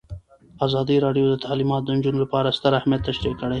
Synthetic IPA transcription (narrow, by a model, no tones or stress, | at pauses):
ɑzɑd̪iɾɑɖjod̪ət̪ʰalimɑt̪d̪ənd͡ʒunolapɑɾast̪əɾahmijat̪ːaʃɾiqkːəɽaj